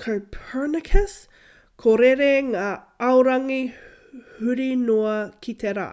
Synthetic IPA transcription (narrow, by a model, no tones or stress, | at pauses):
kʰɐwpʰɜ˞nəkʰəs | kʰoɾeɾeŋaː | ɐwɾɐŋi | hʉɾinoɐkʰit̪ʰeɾa̰ː